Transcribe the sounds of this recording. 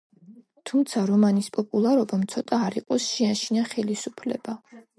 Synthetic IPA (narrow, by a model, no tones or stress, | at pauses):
t̪ʰumt̪sʰaɾɔmanispʼɔpʼulˠaɾɔbamt̪sʰɔt̪ʼaːɾiqʼɔsʃiaʃinaχɛlisupʰlɛ̰ba